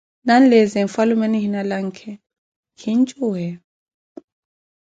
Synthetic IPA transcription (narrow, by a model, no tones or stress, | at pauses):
nanlɛzɛɱfalumɛniɦinalaŋ̩kʰɛ | kʰint͡ʃʼuɦɛ